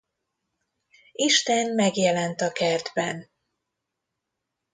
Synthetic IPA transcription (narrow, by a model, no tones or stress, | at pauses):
iʃt̪ɛnmɛɡjɛlɛnt̪ɒkɛrd̪bɛn